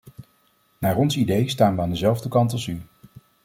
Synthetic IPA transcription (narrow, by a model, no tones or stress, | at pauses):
naːrɔnsidejstaːnʋəaːndəzɛlˠvdəkɑntɑlˠsy